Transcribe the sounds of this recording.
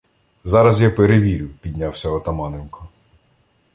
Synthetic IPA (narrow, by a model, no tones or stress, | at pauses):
zɑɾɐzjapeɾeʋʲiɾʲɪwpʲid̪ʲnʲawsʲɐɔt̪ɐmɑnɪnkʰɔ